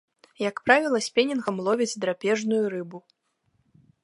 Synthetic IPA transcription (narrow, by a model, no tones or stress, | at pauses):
jɐkpɾavʲilˠɐsʲpʲɛnʲinɣɐmlˠɔvʲid͡zʲd̪ɾapʲɛʐnujuɾɨbu